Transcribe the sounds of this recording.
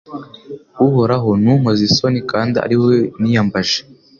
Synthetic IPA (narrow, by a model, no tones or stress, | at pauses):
uhoɾaɦonumazisonikaːndia̰ɾiwenijambaʒe